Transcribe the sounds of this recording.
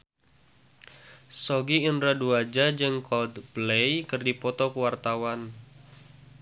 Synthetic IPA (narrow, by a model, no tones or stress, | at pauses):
sɔɡiːnɾaduad͡ʒad͡ʒɨŋkʰɔld̪blejkɨrdipɔt̪ɔkəwart̪awan